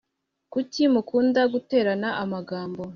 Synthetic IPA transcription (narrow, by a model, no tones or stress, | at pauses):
kucimukuːndaɡute̞ːɾanaʔamaɡaːmbo̞